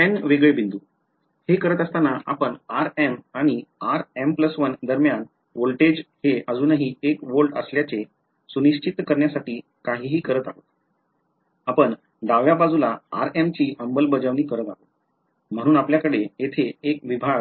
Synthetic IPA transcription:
ɛnʋeɡɭebind̪u | hekəɾət̪əst̪anaʔa̰pəɳaɾemaɽ̃iaɾempləsʋənd̪əɾmjan | ʋolʈed͡ʑheəd͡zuːnəɦiːekʋolʈə̰sljat͡se | suniɕt͡ɕit̪ːkəɾɳjasaʈiː | kaɦiːɦiːkəɾət̪aɦot̪ | apəɳ | d̪aʋjabad͡zulaa̰ɾemt͡ɕiːəmbəlbəd͡zəʋñiːkəɾət̪aɦot̪ | m̤əɽ̃uːnapljakəɽejet̪ʰeekʋibʱaɡ

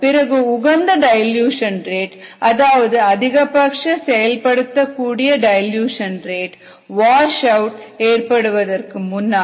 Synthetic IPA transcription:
pɪɾɐɣɯʊɣɐnd̪ɐɖɐjɐljuːʂɐnreːʈɐðaːʋɐðɯɐðɪɣɐpɐkʂɐsɛjɐlpɐɽɯt̪ːɐkːuːɽɪjɐɖɐɪjljuːʂɐnreːʈ | ʋaːʂɐʊʈeːrpɐɽɯʋɐðɐrkɯmʊnːaː

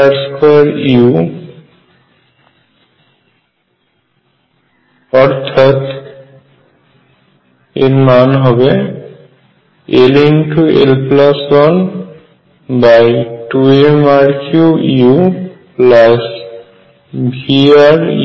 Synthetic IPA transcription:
aɾskɾiu | ɔɾt̪ʰat̪ | eɾmanɦɔbe | elinʈuḛlplaswan | bajʈuemaɾkuiuplas | bʱiaɾḭ

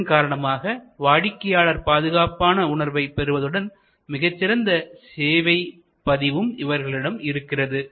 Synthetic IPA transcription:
nkaːɾɐɳɐmaːɣɐʋaːɻɪkːɐjaːɭɐɾpaːðɯɣaːpaːnɐʊɳɐɾʋɐɪpɛɾɯʋɐðɯɽɐn | mɪɣɐt͡ʃːɪɾɐnd̪ɐseːʋɐɪ | pɐðɪʋɯmɪʋɐɾɣɐɭɪɽɐmɪɾɯkːɪrɐðɯ

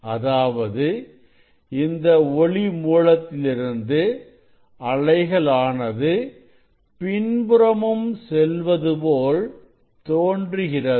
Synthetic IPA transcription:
ɐðaːʋɐðɯ | ɪnd̪ɐɔɭimuːɻɐt̪ːɪlɪɾɯnd̪ɯ | ɐɭɐɪɣɐɭaːnɐðɯ | pɪɳbɯɾɐmɯmsɛlʋɐðɯpoːl | t̪oːɳdrɯɣɪrɐ

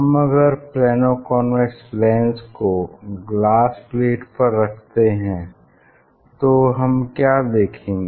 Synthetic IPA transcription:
ɦɐmɐɡəɾplɛːnokɔːnʋɛʈslɛ̃ːnskoɡlaːspleːʈpɐɾːɐkʰt̪eɦɛ̃ː | t̪oɦɐmkjaːd̪eːkʰẽːŋɡe

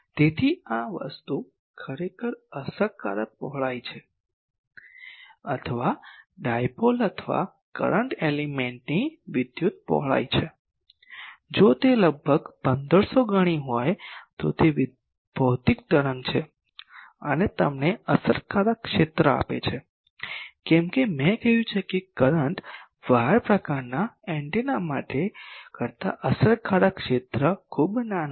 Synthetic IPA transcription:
t̪et̪ʰiaʋə̰st̪u | kʰəɾekʰəɾəsəɾka̰ɾək̚pɔɦɭajt͡ʃʰe | ət̪ʰəʋaɖajpolət̪ʰəʋa̰ | kə̰ɾəɳʈelimeɳʈniʋɪd̪jut̪̚pɔ̰ɦɭa̰jt͡ʃʰe | d͡ʒot̪eləɡbʱəɡpənd̪əɾsoɡəɽ̃iɦojt̪o̰t̪eʋ | b̥ʱəwt̪ik̚t̪əɾənt͡ʃʰe | ənet̪əmneəsəɾkaɾakʃet̪ɾəa̰pḛt͡ʃʰe | kɛmkemɛ̃kəɦjũt͡ʃʰekekəɾəɳʈ | ʋaɾpɾəkaɾnaɛ̃ɳʈinamaʈekəɾt̪a̰ʔəsəɾkʰaɾakʃet̪ɾəkʰubnan

